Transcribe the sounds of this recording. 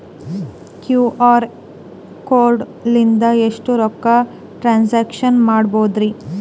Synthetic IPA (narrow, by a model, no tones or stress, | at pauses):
kjuːʔaːɾ | koːɾɖ | lind̪ɐeʂʈuɾɔkːɐ | ʈɾaːnseːkʂɐnmaːɽboːd̪ɾi